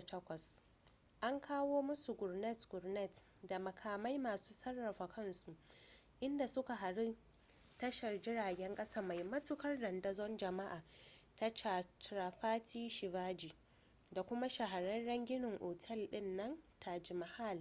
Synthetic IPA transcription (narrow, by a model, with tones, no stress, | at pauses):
tɐ˦kʷɐ˨s | ʔa˦ŋkʰaː˦woː˦mʊ˦su˨ɡʊ˨rnɛ˦˨tɡʊ˨ɾnɛ˦˨tda˨mɐ˨kʰaː˨ma˦jmaː˨suː˦sɐ˦rːɐ˨ɸa˨kɐ˦nsu˨ʔ | ʔɪ˦nda˨sʊ˦ka˨ɦa˨ɽi˦ | tɐ˦ʃɐ˨rd͡ʒɪ˦ɽaː˨ɡʲɛ˦ŋkʼɐ˦saː˦ma˨jmɐ˦tʊ˦kɐ˦rdɐ˨ndɐ˦zɔ˦nd͡ʒɐ˨ma˦ʔaː˨ | ta˦t͡ʃa˨tɾaː˨ɸaː˦tiː˦ʃɪ˨vaː˦d͡ʒiː˨ | da˨kʷʊ˦ma˦ʃa˨ɦa˨ɽɐ˦nɽɐ˦ŋɡʲɪ˦nɪ˨ŋʔoː˨tʰɛ˦˨lɗɪ˦nːɐ˦ntʰa˨d͡ʒɪ˨ma˨ha˦˨l